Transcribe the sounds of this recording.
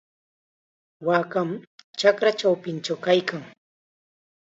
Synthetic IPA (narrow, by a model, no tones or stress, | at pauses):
waːkamt͡ʃakɾat͡ʃawpɪnt͡ʃawkajkaŋ